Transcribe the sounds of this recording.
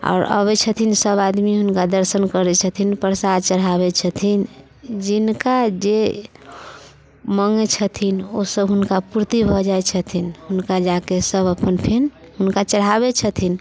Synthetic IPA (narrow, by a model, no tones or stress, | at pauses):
a̰ːɾə̰bɛt͡ʃʰət̪ʰinsəbad̪miɦunkad̪əɾsənkəɾɛt͡ʃʰət̪ʰinpəɾsad̪t͡ʃəɽ̤ɦabɛt͡ʃʰət̪ʰin | d͡ʒinkad͡ʒe | məŋet͡ʃʰət̪ʰinosəbɦunkapuɾt̪ibʱɔd͡ʒajt͡ʃʰət̪ʰinɦunkad͡ʒakesəbəpənpʰen | ɦunkat͡ʃəɽ̤ɦabet͡ʃʰət̪ʰin